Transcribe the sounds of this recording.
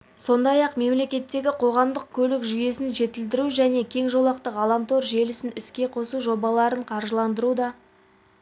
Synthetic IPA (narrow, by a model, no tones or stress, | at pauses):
so̞nd̪ɑjɑqme̞mle̞kʲe̞t̪ːe̞ɡʲɪqʰo̞ʁɑmd̪əq̚kʲʰɵlɪkʒʏje̞sɪnʒe̞t̪ɪld̪̬ɪɾuʒæne̞kʲʰe̞ŋʒo̞lˠɑqt̪əqɑlˠɑmt̪o̞ɾʒe̞lɪsɪnɪskʲe̞qʰo̞suʒo̞bɑlˠɑɾəɴqʰɑɾʒəlˠɑnd̪əɾud̪ɑ